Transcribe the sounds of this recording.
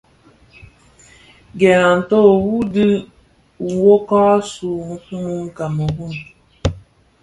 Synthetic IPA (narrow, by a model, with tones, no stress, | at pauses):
ɡɛ˨a˨n̩˨to˦˨wu˦di˦ | u˨wo˦kɔ˦su˨˦u˦mu˦ŋ̩˦ka˨mə˨ɡu˦m